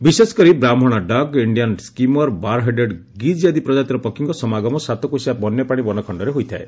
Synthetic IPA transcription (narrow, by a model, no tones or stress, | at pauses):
bisesɔ̥kɔɾibɾamʱɔɽ̃aɖɔɡiɳɖijanskimɔɾbaɾɦeɖeɖ | ɡid͡ʒjad̪ipɾɔd͡ʒat̪iɾɔpɔkʰːiŋkɔsɔmaɡɔmɔsat̪ɔkuisabɔnːjɔpaɽ̃ibɔnɔkʰɔɳɖɔɾeɦojt̪ʰae